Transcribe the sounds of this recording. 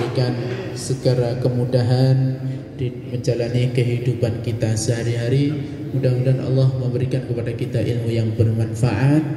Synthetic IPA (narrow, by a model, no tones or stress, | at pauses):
ikansəɡaɾakəmudaɦan | di | məɲd͡ʒalanikəɦidupankit̪asəɦaɾiɦaɾi | mudamudaanʔɑ̰lːɔhməmbəɾikankəpadakit̪aʔilmujaŋbərmanfaʔat̪̚